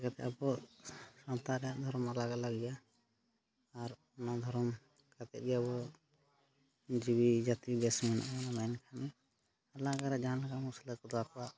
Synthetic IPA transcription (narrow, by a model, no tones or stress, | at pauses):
kat̪ɛabɔsɔnt̪aɾɛad̪ʱɔɾmalaɡalaɡija | ɾ | ɔnad̪ʱɔɾm | kat̪ɛ̰ʔ̚ɡjabɔ | d͡ʒibid͡ʒat̪ibɛsmɛna̰ʔnamajnkʰani | alaɡaɾɛd͡ʒanlakamusilɔt̪̚kɔd̪akʰaʔ